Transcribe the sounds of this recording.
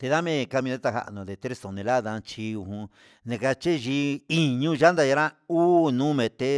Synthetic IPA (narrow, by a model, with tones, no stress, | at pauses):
t̪e˧ða˦mẽ˦˧ka˧mĩ˧d̪a˦t̪a˧ɦa̰˧ʔnõ˨ðe˧t̪ɾe˦sõ˨nẽ˧la˦ðã˧t͡ʃi˧u˧ɦũ˧ | nẽ˨˧ka˧t͡ʃe˦ʒi˧i˨ɲũ˧ʒa˦nd̪a˧ja˧ɾã˦uː˦nũ˦mẽ˨˧t̪e˦